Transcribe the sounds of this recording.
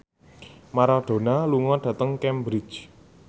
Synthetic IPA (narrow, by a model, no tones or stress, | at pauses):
maɾad̥o̤naluŋɔɖ̥ä̤t̪əŋkɛmbɾɪ̥t͡ʃ